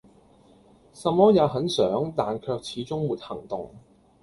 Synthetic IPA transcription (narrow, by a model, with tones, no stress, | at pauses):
sɐ˨˧mːɔː˥jɐ˨˧wɦɐ˨˥nsœː˨˥ŋt̪aː˨nkʰœː˧k̚t͡sʰiː˨˥t͡sʊ˥ŋmuː˨t̚hɐ˨˩ŋt̪ʊ˨ŋ